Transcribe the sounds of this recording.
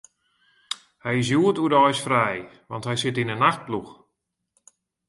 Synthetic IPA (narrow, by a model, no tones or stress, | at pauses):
hɛjɪs̬juətudɔjsfrɛj | ʋɑnthɛjsɪtinənaxt̚blux